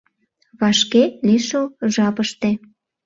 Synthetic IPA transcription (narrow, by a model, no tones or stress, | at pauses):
βɑʃkeliʃəwʒɑpəʃt̪e